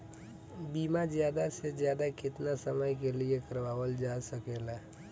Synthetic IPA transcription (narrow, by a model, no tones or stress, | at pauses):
biːmazjaːd̪asezjaːd̪akɪt̪nasəməjkeliekəɾʋaːwəld͡ʒaːsəkeːla